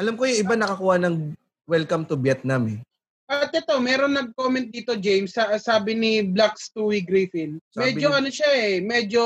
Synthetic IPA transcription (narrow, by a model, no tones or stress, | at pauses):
ʔɐlamkojʊŋʔɪbanɐkɐkuːhɐnɐŋ | wɛlkɐmt̪ʊbjɛt̪̚namɛ | ʔɐt̪ɛt̪o̞mɛːɾoŋnːɐɡ̚koːmɛnt̪̚d̪iːt̪o̞d͡ʒejmsɐsaːbɪnɪblakst̪uːwiɡɾiːfɪnsmɛːd͡ʒd͡ʒoʔɐnoʃaɛmɛːd͡ʒo̞